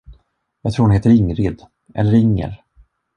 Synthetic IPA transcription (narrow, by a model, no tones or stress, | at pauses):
jɑːt̪ʰɾuːhʊnɦeːt̪əɾɪŋɾɪd̪ | ʔɛ̰lːəɾɪŋːə̰ɾ